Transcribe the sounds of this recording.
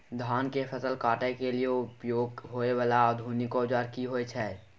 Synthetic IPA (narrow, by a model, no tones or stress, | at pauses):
d̪ʱaːnkefʰəsəlkaːʈekelieʊpjoːɡɦoːewaːlaːd̪ʱunɪkod͡ʒaːɾkiɦoːet͡ʃʰɛ